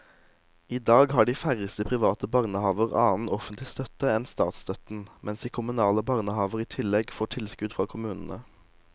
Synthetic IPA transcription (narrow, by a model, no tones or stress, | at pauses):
iːd̪ɑːɡhɑːɖiːfæʁəst̪əpʰʁɪʋɑːt̪əbɑʁnəhɑːʋəʁɑ̰ːn̩ɔfənt̪lɪst̪œt̪əɛnst̪ɑ̰ːt̪st̪œt̪n̩mʔɛnsd̪iːkʰʊmʉnɑːləbɑʁnəhɑːʋəʁiːt̪ʰɪlɛɡfoʈ̪ʰɪlskʉd̪fʁɑːkʰʊmʉːnn̩ə